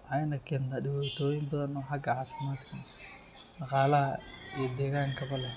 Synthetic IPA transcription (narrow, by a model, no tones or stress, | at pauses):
ʕɑjnɐkʰɛːnt̪ʰaɖɪwaːt̪ʰɔːjɪmbɐðɐnɔːħɑɡɐʕɑːfɪmaːd̪kʰɐ | ɖɑqɑːlɐɦɐijɔd̪ɛːɣaːŋkʰɐβɐlɛ